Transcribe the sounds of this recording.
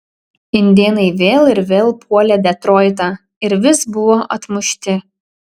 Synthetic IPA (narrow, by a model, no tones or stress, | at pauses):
ɪnʲd̪ʲeːnɐɪʋʲeːlˠɪɾʋʲeːlˠpʰuɔlʲɛd̪ʲɛt̪ɾoːɪt̪̬ɑ | ɪɾʋʲɪsbʊʋoːʔɐt̪mʊʃʲt̪ʲɪ